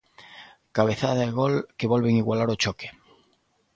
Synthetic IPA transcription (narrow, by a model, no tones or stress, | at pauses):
kaβ̞e̞θaðaeɣolkeβolβeŋiɣwalaɾot͡ʃoke̥